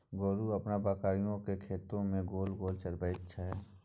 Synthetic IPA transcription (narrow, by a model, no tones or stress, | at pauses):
ɡoːɾuɐpnabaːkaːɾijõkekʰeːt̪õmẽɡoːlɡoːlt͡ʃəɾbəjɪtːʃʰaɦɛː